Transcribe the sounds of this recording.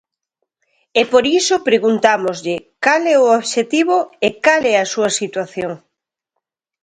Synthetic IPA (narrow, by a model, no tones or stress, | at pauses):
epoɾisopɾeɣunt̪amozʎɪkalɛooβʃet̪iβoekalɛɐsuɐsit̪waθjoŋ